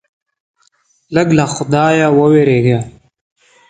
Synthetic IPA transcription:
ləɡlaxʊd̪ɑːjawəweɾeːɡa

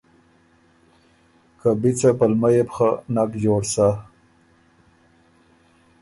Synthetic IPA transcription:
kabit͡sapalmajepxanakd͡ʒoːɽsa

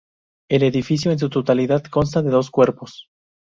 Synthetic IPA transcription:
e̞leðifis̬jo̞ens̬ut̪ot̪aliðaðko̞ns̬t̪aðe̞ðo̞skwe̞ɾpo̞s

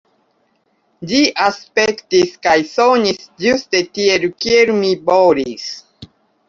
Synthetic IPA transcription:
d͡ʒiʔaspektiskajsoɲisd͡ʒustetielukieɾumiboɾis

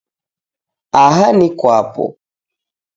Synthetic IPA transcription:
aɦanikwapɔ̰

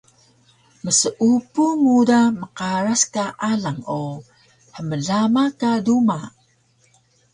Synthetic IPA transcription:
məsəʔupumudaməqaɾaskaʔaɮaŋo | həməɮamakaduma

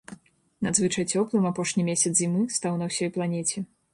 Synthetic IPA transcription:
nad̪zvɨt͡ʂɐjt͡sʲɔplˠɨmapɔʂnʲimʲesʲɐt̪zzʲimɨst̪awnɐwsʲɔjplˠanʲɛt͡sʲɛ

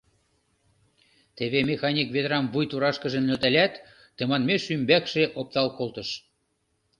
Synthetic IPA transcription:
t̪eβemʲexɑnʲikβed̪ɾɑmvujt̪uɾɑʃkə̆ʒə̆mløt̪ælʲæt̪ː | ĕmɑnmeʃymbækʃeʔop̚t̪ɑlkolt̪ə̆ʃ

